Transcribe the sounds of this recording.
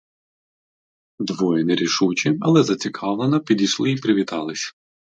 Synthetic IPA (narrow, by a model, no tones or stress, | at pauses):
d̪ʋɔjɛnɛɾʲiʃut͡ʃɪɐlˠɛzɐt͡sʲikʰɑʋlˠenɐpʲid̪ʲiʃlˠɪipɾɪʋʲit̪ɑlˠɪsʲɐ̥